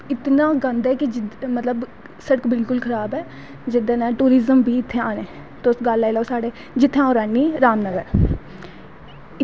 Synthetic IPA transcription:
ɪt̪naːɡə̃nd̪ɛːkɪd͡ʒɪmət̪ləb | səɽəkbɪlkʊlkʰəɾaːbɛː | d͡ʒɪd̪ãːnãːʈuːɾɪzəmbʱiːɪt̪ʰːeːaːneː | t̪osɡəlːailaoːsaːɖeː | d͡ʒɪt̪ʰːãːoːɾaːnːiːɾaːmnəɡəɾ | ɪ

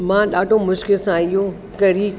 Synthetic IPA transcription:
mãːɗaːɖʱomʊʃkɪlsãɪjõ | kɐɾi

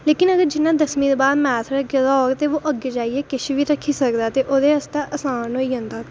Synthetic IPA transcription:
leːkɪnəɡəɾd͡ʒɪnːãːd̪əsmĩːd̪oːbaːd̪mɛːt̪ʰɾəɡɪzaɡt̪eːʋoːʔəɡeːd͡ʒaːieːkɪʃʋiːɾəkʰːiːsəkd̪aːt̪eːʔoːd̪eːəst̪aːʔəsaːnɦoːiːɦə̃nd̪aː

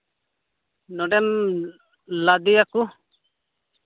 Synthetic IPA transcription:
nɔɖɛm | lad̪ijaku

